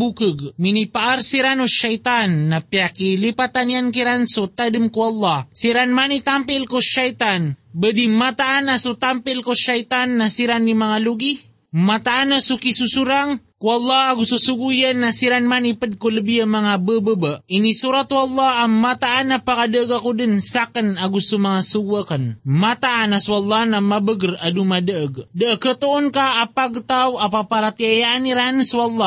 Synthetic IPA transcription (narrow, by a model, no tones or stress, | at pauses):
bukəɡminipaʔaɾsiɾanoʃajt̪anːapjakilipat̪anjank̬iɾansut̪adəmkuɑlˠːɑsiɾanmanit̪ampɪlkoʃajt̪anbədimat̪aʔanasut̪ampɪlkoʃajt̪anːasiɾanːimaŋaluɡi | mat̪aʔanasukisusuɾaŋkuɑlːɑaɡususuɡujənːasiɾanmanipəd̚kuləbiəmaŋabəbəbəinisuɾat̪wɑlːɑamat̪aʔːnapakadəəɡakudənsakənaɡusumaŋasuɡuəkənmat̪aʔːnasualːɑnamabəɡəradumadəʔəɡdəʔəkːət̪oːnkaːpaɡt̪awapapaɾat̪iajaʔaniɾansuɑlːɑ